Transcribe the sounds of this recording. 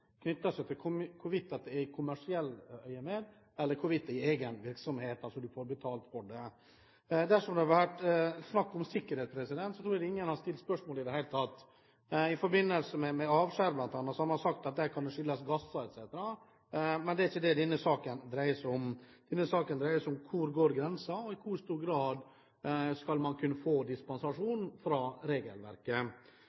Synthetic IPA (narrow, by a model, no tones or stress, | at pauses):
kʰnʏt̪ːɑsɛt̪ʰɪlkʰʊmkʰʊʋɪt̪ːɑt̪̚d̪ɛækʰʊmæʂɪɛlːœʏəmeːd̪ | ɛlːəɾkʰʊʋɪt̪ːɛɪeɡənʋɪɾksɔmheːt̪ɑlsɔd̪ʉfoːɾbət̪ʰɑːlt̪fɔɖɛ | d̪æʂɔmd̪ɛhɑɾʋæʈsnɑkːɔmsɪkːəɾheːt̪spʰɾɛsɪd̪ɛnt̪sɔt̪ʰɾuːɾd̪ɪŋːənhɑst̪ɪlt̪spœʂmoːlɪd̪ɛhæɪlət̪ʰɑt̪ː | ɪfɔɾbɪnːəlsəmɛmɛɑːʋʂæɾblɑnt̪ɑːnːɑsɔɑmɑɾsɑk̚t̪ɑt̪̚d̪ækʰɑnd̪ɛʂʏlːɑsɡɑsːɑɛt̪sɛːt̪əɾɑ | mɛnd̪ɛæɾɪçːəd̪ɛd̪ɛnːəsɑːkənd̪ɾæɪəsɔmd̪̥ɛnːəsɑːkənd̪ɾæɪəsɔmkʰʊɾɡoːɾɡɾɛnsɑɔɪkʰʊɾst̪uːɾɡɾɑːd̪ | skɑlmɑnkʰʉnːəfoːd̪ɪspɑnsɑʂuːnfɾɑɾeːɡə̰lʋæ̰ɾkə